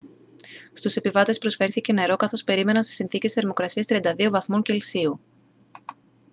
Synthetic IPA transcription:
st̪use̞pivɐt̪e̞spɾo̞sfe̞ɾθice̞ne̞ɾo̞kɐθo̞spe̞ɾime̞nɐnse̥isinθice̞sθe̞ɾmo̞kɾɐsiɐst̪ɾiɐnd̪ɐðio̞vɐθmoɲce̞lsiu

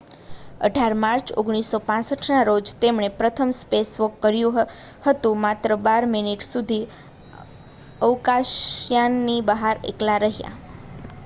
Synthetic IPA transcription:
ə̰ɖʱaɾmaɾt͡ʃo̰ɡɽ̃isːopãsəʈʰnaɾod͡ʒt̪emɳ̃epɾət̪ʰəmspesʋəkːəɾjũ | hət̪ũmat̪ɾəbaɾminiʈsud̪ʱi | əʋkaʃjanːibəɦaɾḛklaɾəɦja̰

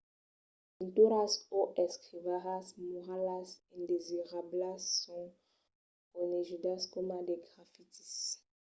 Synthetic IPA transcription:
ɔ̃nt̪uɾasoʔɛskχivaʁasmuʁalasĩnd̪eziʁablasːɔ̃ | koneʒyd̪askɔmadeɡʁafit̪i̥s

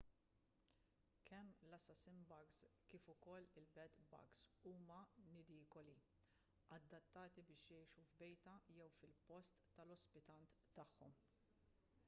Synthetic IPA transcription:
kʰɛmːlɐsɐsɪmbɐɡskiːfʊkɔlːɪlbɛt̪bɐ̰ksuːmɐnɪd̪iːkɔli | ɐd̪ːɐt̪ːɐːt̪ibɪːʃjɛjʃuvbɛjt̪ɐjɛwfɪlpɔst̪ːɐlɔspɪt̪ɐnt̪ːɐħːɔm

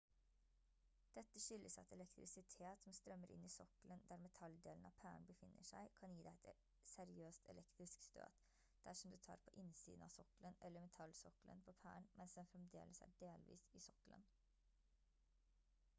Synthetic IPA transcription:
d̪̥ɛt̪ːəʂʏlːʔəsɑ̰t̪ɛlɛkt̪ɾɪsɪt̪ʰeːt̪sɔmst̪ɾœmːəɾʔɪ̰nːiːsɔklənd̪æːɾmɛt̪ʰɑld̪eːln̩ɑ̰ʋpʰæːɳbəfɪnːəʂæ̰ɪkʰɑnjiːd̪æɪɛt̪ | sɛɾɪøːst̪ʰɛ̰lɛkt̪ɾɪskst̪ø̰ːd̪ | d̪̥æʂɔmd̪ʉːt̪ʰɑ̰ːɾpʰɔʔɪnsḭːd̪ən̩ɑ̰sɔklənʔɛlːəɾmɛt̪ʰɑlsʊkələ̰npʰɔpʰæ̰ːəɳmʔɛnsd̪ɛnfɾɛmd̪ḛːləsæ̰ːɖeːlʋḭːsɪsɔkələ̰n

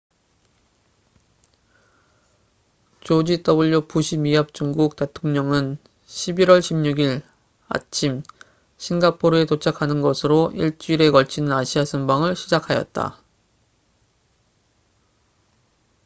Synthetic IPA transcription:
t͡ɕod͡ʑit͈ʌbuʎːopuɕʰimiɦap̚t͡ɕ͈uŋɡuk̚t͈e̞tʰoŋɲʌŋɯn | ɕʰibiɾwʌɭɕʰimɲuɡiɾ | a̰t͡ɕʰim | ɕʰinɡapʰoɾɯe̞tot͡ɕʰakʰanɯnɡʌsʰɯɾoʔiɭt͡ɕ͈uiɾe̞kʌɭt͡ɕʰinɯnaɕʰiasʰɯmbaŋɯɭɕʰid͡ʑakʰajʌ̰t̚t͈a̰

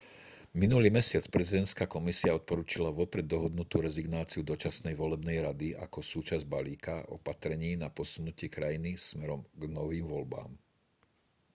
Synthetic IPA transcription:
minuliːmɛsɪat͡spɾɛzid̪ɛnt̪skaːkɔmisiaɔt̪̚pɔɾuːt͡ʃilaʋɔpɾɛd̪ːɔɦɔd̪nut̪uːɾɛziɡnaːt͡siud̪ɔt͡ʃasnɛjʋɔlɛbnɛjɾad̪ia̰kɔsuːt͡ʃazɟbaliːkaɔ̰pat̪ɾɛɲiːnapɔsunucɪɛkɾajinismɛɾɔmɡnɔʋiːmʋɔlba̰ːm

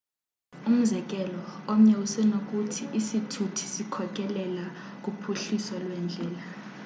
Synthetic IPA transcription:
um̩zɛk̬ʼɛlɔom̩ɲɛwusɛnok̬ʼutʰiʔisitʰutʰi̥sikʰɔk̬ʼɛlɛlak̬ʼupʰuɬisɔlwɛnd͡ɮʱɛːla

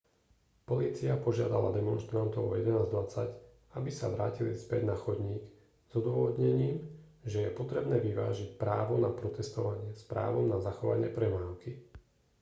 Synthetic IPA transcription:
pɔliːt͡siapɔʒɪad̪alad̪ɛmɔnʃt̪ɾant̪ɔʊɔjɛd̪ɛnaːzd̪ʋat͡sac | abisa̰ʋɾaːcilispɛɟnaxɔd̪ɲiːk | z̥ɔd̪ʊʋɔʋɔd̪ɲɛɲiːm | ʒɛjɛpɔt̪ɾɛbnɛːʋiʋa̰ːʒicpɾaːʋɔnapɾɔt̪ɛst̪ɔʋaɲɪɛspɾa̰ːʋɔmnazaxɔʋa̰ɲɪɛpɾɛmaːʊki

